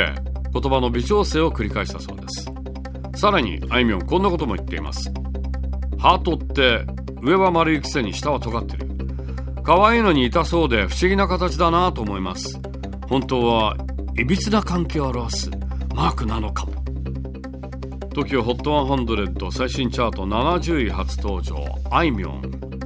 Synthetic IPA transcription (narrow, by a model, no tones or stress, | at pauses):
ḛko̞t̪o̞bano̞bʲit͡ɕo̞ːse̞ːo̞kɯ̟ɾʲikaiɕi̥t̪aso̞̰ːd̪esɨ̥ | saɾaɲ̟ḭaimʲiõ̞ŋkõ̞nːako̞t̪o̞mo̞ḭt̪ːe̞ḭma̰sɨ̥ | haːt̪o̞t̪ːe̞ | ɯ̟e̞βamaɾɯ̟ikʲi̥se̞ɲ̟iɕi̥t̪aβat̪o̞ɡat̪ːe̞̰ɾɯ̟̰ | kaβaiːno̞ɲ̟iːt̪aso̞ːd̪e̞ɸɯ̟̥ɕiɡʲinakat̪at͡ɕid̪anat̪o̞ːmo̞ima̰sɨ̥ | hõ̞nt̪oːβa | ibʲit͡sɨnakãŋke̞ːoaɾaβasɨ̥̰ | maːkɯ̟nano̞kḁmo | t̪o̞kʲioɦo̞t̪ːo̞βãɦãnd̪o̞ɾe̞t̪ːo̞saiɕĩɲt͡ɕaːt̪o̞nanaʑɨːiɦat͡sɨ̥t̪o̞ːʑo̞̰ːaimʲiõ̞̰ŋ